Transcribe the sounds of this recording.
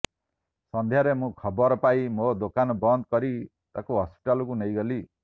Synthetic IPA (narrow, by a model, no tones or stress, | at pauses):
sɔnd̪ʱjaɾemũkʰɔbɔɾɔpajmod̪okanɔbɔnd̪kɔɾi | t̪akuɦɔspi̥ʈalɔk̬unejɡɔli